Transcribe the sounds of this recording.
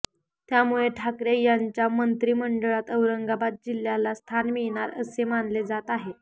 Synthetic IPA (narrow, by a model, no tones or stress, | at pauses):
t̪jamuɭeʈʰakɾejaɲt͡ɕjamənt̪ɾiːməɳɖəɭat̪əʋɾəŋɡabat̪̚d͡ʑil̤jalast̪ʰanmiɭɳ̃aɾəsemanled͡zat̪aɦe